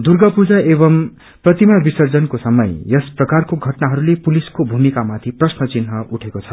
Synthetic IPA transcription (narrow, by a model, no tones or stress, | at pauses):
d̪urɡʌpud͡zaebʌm | prʌt̪imabisʌrd͡zʌnkosʌmʌjjʌsprʌkarkoɡʱʌʈnaɦʌɾulepuliskobʱumikamat̪ʰiprʌsnʌt͡sinɦʌuʈʰekot͡sʰʌ